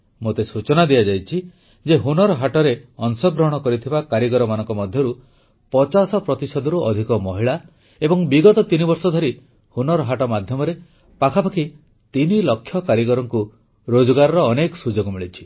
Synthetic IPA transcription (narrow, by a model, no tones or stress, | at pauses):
mot̪esut͡ʃɔnad̪ijad͡ʒajt͡ʃʰi | d͡ʒeɦunɔɾɔɦaʈɔɾeɔnsɔɡɾɔɦɔɽ̃ɔkɔɾit̪ʰibakaɾjiɡɔɾɔmanɔŋkɔmɔd̪ʱjɔɾu | pɔt͡ʃasɔpɾɔt̪isɔd̪ʱɔɾuʔɔd̪ʱikɔmɔɦiɭa | ebɔŋbiɡɔt̪ɔt̪inibɔɾsɔd̪ʱɔɾi | hunɔɾɔɦaʈɔmad̪ʱjɔmɔɾe | pakʰapakʰi | t̪inilɔkʰːjɔkaɾjiɡɔɾɔŋku | ɾod͡ʒɔɡaɾɔɾɔːnekɔsud͡ʒoɡɔmiɭit͡ʃʰi̥